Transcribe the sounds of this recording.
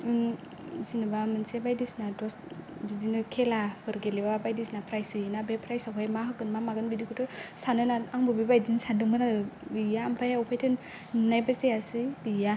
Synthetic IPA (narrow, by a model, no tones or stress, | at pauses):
in | sinɯbamɯnsebajdisnadɔs | bidinɯkʰelabɯɾɡelebabajdisnapʰɾajsɯjɯnabepʰɾajsawɦʰajmaɦɯɡɯnmamaɡɯnbidikʰutʰɯsanɯnaaŋbɯbibajdinsadɯŋɯnaɯbijaːmpʰajaupʰajtʰɯn | najbasejasɯbija